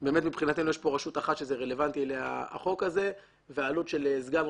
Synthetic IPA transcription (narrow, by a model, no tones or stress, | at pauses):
be̞ːme̞t̪mipχinat̪emnujeʃpo̞ʁaʃut̪aχat̪ʃezeʁele̞vant̪ieleja̰a̰χo̞kaze̞ | veaːlut̪ʃe̞lezɡan